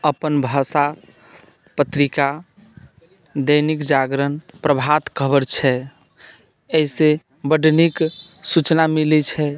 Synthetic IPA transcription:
əpənbʱəsa | pət̪ɾika | d̪ənikd͡ʒaɡɾənpɾəbʱat̪kʰəbəɾt͡ʃʰɛ | eise | bəɖniksut͡ʃnamilit͡ʃʰɛ

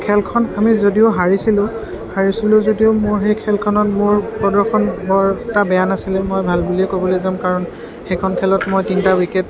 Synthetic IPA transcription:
kʰɛlkʰɔnamizodiʊɦaɹisilʊ̃ | haɹisilʊ̃zodiomʊɹɦejkʰɛlkʰɔnɔtmʊɹpɔdɔkʰɔnbɔɹtabɛjanasilɛmojbʱalbuliɛkobɔlojzamkaɹɔn | xɛkʰɔnkʰɛlɔtmojtintawikɛt

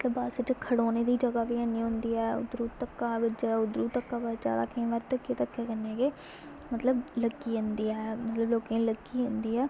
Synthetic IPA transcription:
mət̪ləbaːsɪt͡ʃkʰəɽoːneːd̪iːd͡ʒəɡaːʋiːəniːɦʊ̃nd̪iːɛːʊ̰d̪ɾuːt̪əkːaːʋɪt͡ʃt͡ʃːʊd̪ɾuːt̪əkːaːʋəd͡ʒa̰ːd̪a̰ːkəĩːʋəɾt̪əkːeːt̪əkːeːkənːeːɡeː | mət̪ləbləɡiːɦʊ̃nd̪iːɛːmət̪ləbloːkẽːləɡiːɦʊnd̪iːɛː

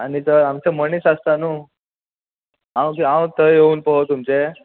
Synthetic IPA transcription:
anit̪əɾamt͡semənisast̪anuː | ãw̃kiãw̃t̪əɦeuːnpəot̪umt͡se

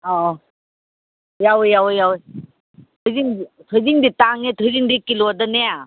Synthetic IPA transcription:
ɔ | jawjawjawj | tʰɔjziŋditʰɔjziŋditaŋetʰɔjziŋdikilɔdanea

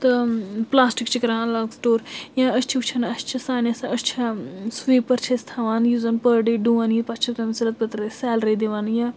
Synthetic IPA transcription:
t̪ɐplaːsʈikt͡ʃikɾãːnlaːɡsʈoːɾjãːɐst͡ʃʰiut͡ʃʰɐnɐst͡ʃʰɐsaːnɐsɐɐst͡ʃʰɐsʋiːpːɐɾt͡ʃʰɐst̪ʰaʋaːnjuzɐnpəɾɖiɖuːʋaːnjipɐt͡ʃʰɐt̪ɐmsɐɾɐt̪̚pɐt̪ɾɐsɛːlɾɐid̪iʋaːnjã

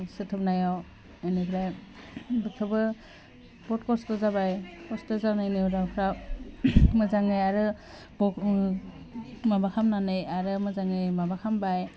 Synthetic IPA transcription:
sɯtʰɯpnajaw | enikʰɾaj | bɯtʰɯbɯ | b̥ɔt̚kɔstɯzabajkʰɔstɯzanajnɯɾawkʰɾa | mɯzaŋɯjaɾɯ | bɔ | mabakʰamnanɯjaɾɯmɯzaŋɯjmabakʰambaj

